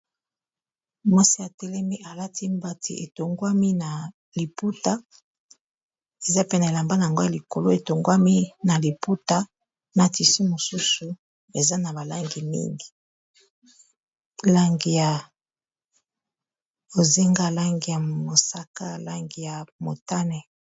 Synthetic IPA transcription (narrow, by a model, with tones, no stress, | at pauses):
mo˦si˦ja˨tɛ˦lɛ˦mi˦ʔa˨la˦ti˦mba˦tʰḭ˨e˨to˨ŋɡwa˦mi˦na˨ | li˨pu˦ta˦ | e˨za˦pe˦na˨e˨la˨mba˦na˨ŋɡo˦ja˨li˨ko˨lo˦e˨to˨ŋɡwa˦mi˦na˨li˨pu˦ta˦ | na˨ti˨si˦mo˨su˦su˨ | e˨za˦na˨ba˨la˦ŋɡi˨mḭ˦ŋɡi˨ | la˦ŋɡi˨ja˨ | o˨zi˦ŋɡa˦la˦ŋɡi˨ja˨mo˨sa˦ka˦la˦ŋɡi˨ja˨mo˨ta˦nɛ˦